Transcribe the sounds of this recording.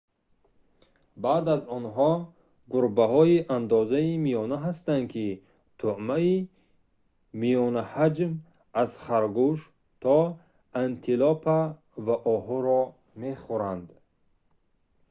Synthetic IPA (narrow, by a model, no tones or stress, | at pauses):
bad̪azɔnɦɔ | ɡuɾbaɦɔiʔand̪ɔzaimijɔnaɦast̪and̪kʰi | t̪ʰuʕmai | mijɔnahad͡ʒm | az̥χaɾɡuʃ | t̪ʰɔ | ant̪ʰilɔpʰa | vaʔɔɦɔɾɔ | meχuɾand̪